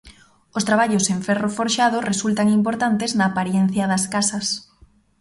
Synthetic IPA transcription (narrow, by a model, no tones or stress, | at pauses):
ost̪ɾaβ̞aʎoseɱfɛrofoɾʃað̞oresult̪aŋimpoɾt̪ant̪eznaːpaɾjɛn̟θjaðɐskasɐs